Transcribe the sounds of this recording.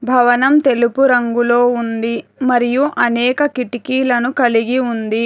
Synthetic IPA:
bʱɐʋɐnɐmt̪e̞lupuɾɐŋɡulo̞ːund̪imɐɾijuʔɐnɛːkɐkiʈikiːlɐnukɐliɡiund̪i

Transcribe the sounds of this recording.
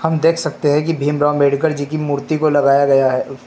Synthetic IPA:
hɐmd̪eːkʰsɐk̚t̪eɦɛ̃k̬ibʱiːmɾãːmbeːɖkəɾd͡ʒikimuːɾt̪ikolɐɡaːjaɡɐjaɦɛː

